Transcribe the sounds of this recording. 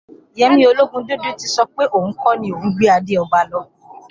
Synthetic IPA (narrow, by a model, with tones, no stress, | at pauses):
jɛ˧˦mĩ˧˦o˧lo˦ɡũ˧do˦dũ˦ti˧sɔ˧k͡pe˦ʔo˦˨wũ˨˦kɔ̃˦nĩ˦o˨ũ˨˦ɡ͡be˦a˧de˦ɔ˧ba˧lɔ˧